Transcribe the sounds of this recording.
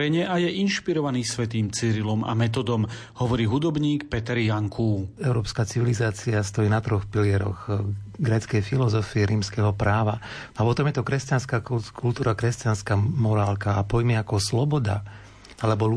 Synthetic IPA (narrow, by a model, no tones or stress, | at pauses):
ɛɲɛʔajɛʔinʃpiɾɔʋaniːsʋɛt̪iːmt͡siɾilɔmʔa̰mɛt̪̬ɔd̪ɔm | hɔʋɔɾiːɦud̪ɔbɲiːkpɛt̪ɛɾjaŋkʰuːɛʊɾɔːpskaːt͡siʋilizaːt͡siast̪ɔjiːnat̪ɾɔxpilɪɛɾɔ̰ɣɡɾɛːt͡skɛjfilɔzɔfiɛɾiːmskɛɦɔpɾaːʋa | apɔt̪ɔmjɛt̪ɔkɾɛscanskaːkʰult̪uːɾakɾɛscanskaːmɔɾaːlkaːpɔjmiakɔslɔbɔd̪a̰ | alɛbɔ